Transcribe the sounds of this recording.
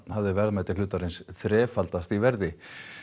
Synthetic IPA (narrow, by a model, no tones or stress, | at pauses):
havðɪvɛɾðmajt̪ɪlʏːt̪aɾɪnsθɾɛːfalt̪ast̪ivɛɾðɪ